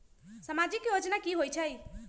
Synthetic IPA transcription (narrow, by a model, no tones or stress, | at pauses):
səmad͡ʒikjod͡ʒnakiɦojt͡ʃʰəj